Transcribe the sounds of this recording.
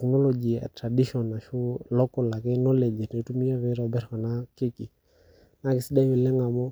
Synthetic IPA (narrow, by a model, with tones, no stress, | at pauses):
knɔ˦lɔ˨d͡ʒi˨a̰˨tɾa˨di˦ʃɔ˨na˨ʃu˦lɔ˦kɔ˦la˨kɪ˦nɔ˦lɛ˨d͡ʒɛ˨ne˨˦tu˦mi˦a˦βɪ˦ɾɔ˨bɛ˦ɾkɔ˨na˦kɪ˦ki˨ | na˦kɪ˨si˦da˦mɪ˨lɛ˦ŋa˨mɔ˦